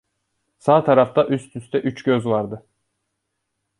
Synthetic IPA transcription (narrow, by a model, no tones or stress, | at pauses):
saːt̪ʰaɾaft̪aʔyst̪ʰyst̪ʰɛʔyt͡ʃɟøzvaɾd̪ɯ